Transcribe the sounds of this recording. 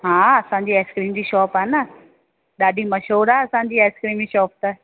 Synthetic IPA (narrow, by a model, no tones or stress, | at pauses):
ɦãːɐsãːɲd͡ʑiːeːskɾiːmd͡ʑiːʃɔːpaːnə | ɗaːɗʱimɐʃoːɾaɐsãːɲ̆d͡ʑiːeːskɾiːmiʃɔːp̚t̪a